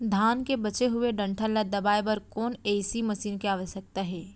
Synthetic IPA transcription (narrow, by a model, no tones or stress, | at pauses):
d̪ʱaːnkebɐt͡ʃeɦʊeɖɐ̃ɳʈʰəlad̪ɐbaːebɐɾkɔːneːsimɐʃiːnkeaːʋəʃjək̚t̪aɦɛː